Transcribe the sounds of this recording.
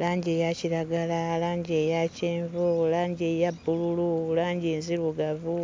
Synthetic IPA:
laːɲɟeːjaciɾaɡalalaːɲɟejaceːɱvolaːɲɟejabːulululaːɲɟeːnziluɡavu

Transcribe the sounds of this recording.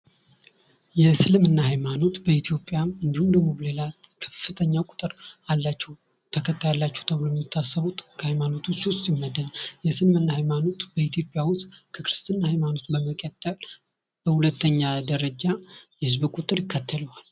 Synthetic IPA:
jɛsɨlmɨnːahajmano̞t̪bəit̪ʰijo̞pʼjamɨnd̪ihumd̪əɡmoβle̞lakʰə̥fːɨt̪ʰəɲːawkʼʊ̥t̪ʼɨɾalːat͡ʃːɛw | t̪ʰəkʰət̪ʰːajalːat͡ʃːɛwt̪ʰəβlumit̪ʰːasːəβut̪ʼkʰəhajmano̞t̪ʰusiwʊst̪ʼjɪmːəd̪əljɛsɨlmɨnːahajmano̞t̪bəit̪jo̞pʼjawʊst̪ʼkʰəkɾɨst̪ʰɨnːahajmano̞t̪bəməkʼət̪ʼːəl | b̥əhulət̪ːəɲːad̪əɾəd͡ʒajɛhɨzbkʷʼut̪ʼɨɾjɪkʰːət̪ʰːələwal

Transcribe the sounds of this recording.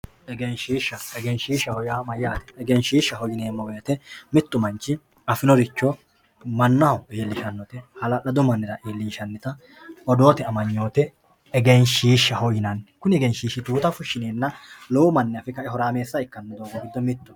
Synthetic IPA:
ʔɛɡejnʃiːʃːɐɛɡenʃiːʃːɐhɔjaːmɐjːaːt̪ɛ̥ːɡenʃiːʃːɐɦɔjɪneːmːɐwɔjɐt̪ɛmɪt̪ːʊmɐnt͡ʃːɪ | ɐfɪnɔɾɪt͡ʃːɔ | mɐnːɐweːlːɪʃɐnːɔt̪ɛhɐlɐlɐd̪ʊmɐnːɪɾɐʔeːlːɪʃɐnːɪt̪ɐ | ɔd̪o̞ːt̪ɛɐmɐɲːo̞ːt̪ɛ | ɛɡejnʃiːʃːɐhɔjɪnɐnkʊnɛɡenʃiːʃːɪt̪uːt̪ɐfʊʃːɪneːnːɐlɔwʊmɐnːɛɐfɪkɐʔɛɦɔɾaːme̞ːsːɐɪkːɐnːɐd̪oːɡɐɡɪd̪ːɔmɪt̪ːʊ̥

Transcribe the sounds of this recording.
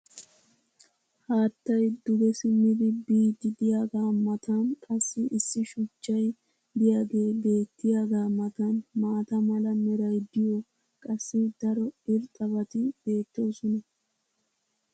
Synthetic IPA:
haːt̪ːɐjd̪ʊɡɛsɪmɪd̪ɪbiːd̪ɪd̪ɪjaːɡaːmɐt̪ɐnkʼɐsːɪʔɪsːɪʃʊt͡ʃːɐj | d̪ɪjaːɡe̞ːbe̞ːt̪ːɪjaːɡaːmɐt̪ɐnmaːt̪ɐmɐlɐmɛɾɐjd̪ɪjo | kʼɐsːɪd̪ɐɾɔɪɾt̪ʼɐβɐt̪ɪb̥e̞ːt̪ːoːsɔnɐ

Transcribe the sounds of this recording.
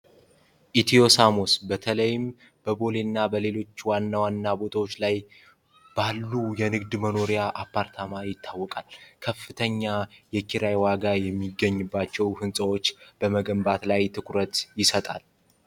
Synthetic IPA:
ʔit̪ʰijo̞samo̞sbət̪ʰələjɪm | b̥əbo̞lenːabəle̞lo̞t͡ʃːwanːawanːabo̞t̪ʰawo̞t͡ʃːlaj | b̥alːujɛnɨɡd̪məno̞ɾijaʔapːaɾt̪ʰamajɪt̪ʰːawːɔkʼalkʰəfːɨt̪ʰəɲːajɛkʰiɾajwaɡajɛmːiɡːəɲːɨbːat͡ʃːɛwhɨnsʼəwo̞t͡ʃːb̥əməɡəmbat̪lajt̪ʰɨkʰʼɾət̪jɪsət̪ʼa̰l

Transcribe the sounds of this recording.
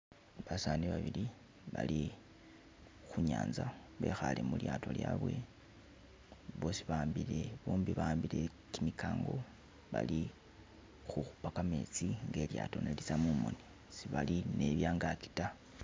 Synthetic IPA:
βasaːndiβaβili | βali | xuɲaːnzaβe̞xale̞muljaːto̞ljaːβwe̞̰ | βo̞siβaːmbile̞βuːmbiβaːmbile̞ | kimikaːŋɡo̞ | βali | xuxu̥pakame̞t͡siŋɡe̞ljato̞nelit͡samumo̞ni | siβaline̞βjaːŋɡaki̥ta

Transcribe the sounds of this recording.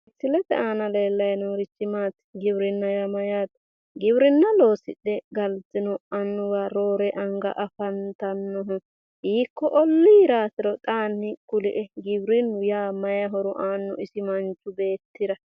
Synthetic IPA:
ɪt͡sːɪlɛt̪ɛ̰aːnɐleːlːɐjnoːɾɪt͡ʃːɪmaːt̪ɡɪbɾɪnːɐjɐmɐjaːt̪ | ɡɪbɾɪnːɐlo̞ːsɪ̰ɗɛɡɐltːɪnʊɐnːʊwaːɾoːɾɛʔɐŋɡɐ̰ʔɐfɐnt̪ɐnːɔɦʊ | hiːkːɔʔɔlːiːɾaːsɪɾɔt̪ʼaːnːɪkʊlɪʔɛɡɪbɾɪnːʊjaːmɐjɐɦɔɾʊʔaːnːɔ̰ɪsɪmɐnt͡ʃːʊbe̞ːt̪ːɪɾɐ

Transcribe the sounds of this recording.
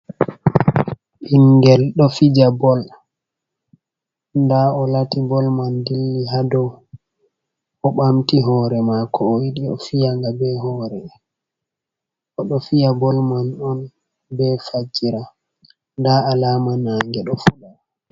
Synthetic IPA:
ʔiŋɡɛlɗɔfid͡ʒabɔl | ndaɔlatibɔlmandilːiɦadɔ | ɔɓamtiɦɔːɾɛmakʰɔːwiɗiɔ̰fijaŋɡabɛɦɔːɾɛ | ʔɔɗɔfijabɔlmanɔn | bɛfad͡ʒiɾa | ndaːlaːmanaŋɡɛɗɔfuɗa

